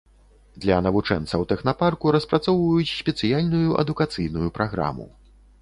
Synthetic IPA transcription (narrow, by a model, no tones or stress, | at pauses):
d̪lʲɐnɐvut͡ʂɛ̰nt̪sɐwt̪ɛxnaparkuɾɐspɾat̪sɔwvɐjut͡sʲsʲpʲɛt̪sɨjalʲnujuʔɐ̰d̪ukat̪sɨjnujupɾaɣɾa̰mṵ